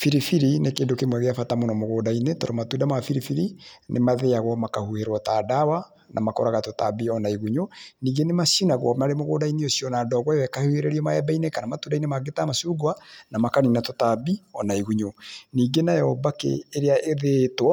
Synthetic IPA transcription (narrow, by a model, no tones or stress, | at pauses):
fiɾifiɾinekeːndokemwɛɣeafatamonɔmoɣoːdainetɔɾɔmatudamafiɾifiɾinʔemaðeaɣwɔmakahuheɾwɔtadawa | nʔa̰makɔɾaɣatota̰biɔnaiɣuɲoniːɡenemasunaɣwɔ̰maɾemoɣoːdaineosjɔnaːdɔɣwajɔɛkahuheɾeɾiɔmaɛbainekanamatudainemaɡetamasuɡwanamakaninatotabiɔnaiɣuɲoniːɡenajɛhɔbakḛːɾeaʔeðetwɔ